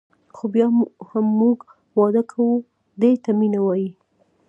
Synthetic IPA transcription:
xobjɑhamːuɡ | wɑd̪əkʰawu | d̪et̪aminawɑji

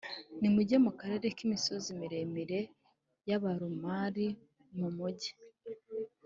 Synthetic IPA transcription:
nimuɟemukaɾe̞ɾe̞kimisozimiɾe̞miɾe̞ | jaβaɾumaɾi | mumuɟi̥

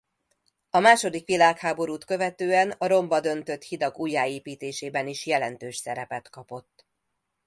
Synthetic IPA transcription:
ɒmaːʃo̞d̪ikʋilaːkhaːbo̞ɾuːt̪kø̞vɛt̪øːɛnɒɾo̞mbɒd̪ø̞nt̪ø̞t̪hid̪ɒɡuːjːaːeːpiːt̪eːʃeːbɛniʃjɛlɛnt̪øːʃsɛɾɛpɛt̪kɒpo̞t̪ː

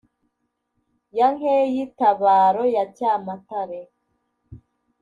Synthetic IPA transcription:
jaŋejitaβaːɾojatjamataɾe

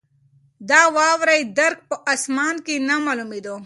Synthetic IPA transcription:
d̪aːwɑːwɾajd̪ɐɾk̚pəʔasmɑːnkinamaːlumid̪o

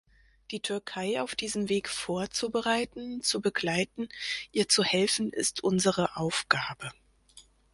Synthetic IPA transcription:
d̥iːtʰʏɐkʰaɪaʊfd̥iːzənveːkfoːɐt͡subəʁaɪtn̩t͡subəɡlaɪtn̩ʔiːɐt͡suhɛlfn̩ɪ̰stʰʔʊnzəʁəʔaʊfɡ̥aːbə

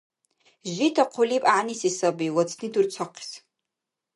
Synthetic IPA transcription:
ʒitʰɐqʷʰʊliːpʼaʕnisisɐbijwɐt͡sʰnidurt͡sʷʰɐqʰi̥s

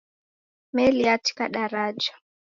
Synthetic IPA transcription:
mɛliati̥kaɗaɾad͡ʒa

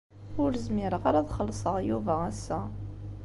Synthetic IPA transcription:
ʊɾəzmɪɾəʁaɾæðχəlːsˤəʁjuvææsːæ

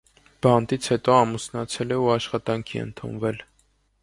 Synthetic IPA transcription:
b̥ɑnt̪it͡sʰhɛt̪ɔɑmusnɑt͡sʰɛlɛuɑʃχɑt̪ɑŋkʰḭə̰nt̪ʰṵnvɛl

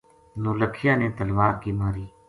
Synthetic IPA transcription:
nuːləkʰɪjãːneːt̪əlʋaːɾkiːmaːɾiː

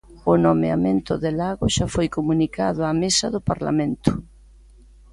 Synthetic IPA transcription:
ʊnomea̰mẽnt̪ʊðeɪlaɣʊʃafojkomunikaðʊamesɐðʊpaɾla̰mẽnt̪ʊ̥

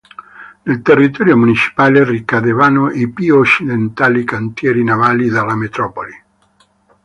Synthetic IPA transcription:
nelt̪erːit̪ɔɾjomunit͡ʃi̥paːlerikad̪evanoʔipuot͡ʃːid̪ent̪alikant̪jɛːɾinavalid̪alamet̪ɾɔpoli

